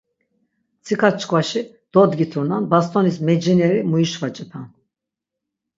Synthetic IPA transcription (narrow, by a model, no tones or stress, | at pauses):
t͡sʰikʰat͡ʃʰkʰʼvaʃi | d̪̥ɔd̪ɡit̪ʰunanbast̪ʼɔnismɛd͡ʒinɛɾimuiʃvat͡ʃʼɛpʰan